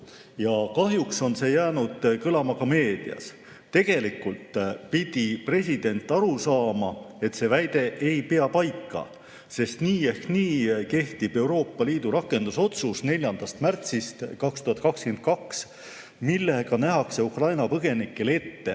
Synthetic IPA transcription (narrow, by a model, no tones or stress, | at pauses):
jɑkɑɦjukso̞nse̞ːjæːnud̪̥kɤlɑmɑkɑme̞ːd̪̥ḭɑ̰s | t̪e̞ɡ̥e̞likːult̪pid̪̥ipre̞sʲid̪̥e̞nt̪ːˑɑɾusɑːmɑ | e̞t̪se̞ːvæjd̪̥e̞ʔe̞jpeɑpɑjkːˑɑ̰ | se̞st̪niːe̞hkniːke̞ht̪ib̥e̞wɾo̞ːpːɑliːd̪̥uɾɑkːˑe̞nd̪̥uso̞t̪susne̞lʲjɑnd̪̥ɑst̪mært̪sist̪kɑkst̪uhɑt̪̚ːˑkɑkskeent̪̚kɑks | milːeɡ̥ɑnæɦɑkse̞ukrɑjnɑpɤɡ̥e̞nikːˑe̞le̞t̪ːe̞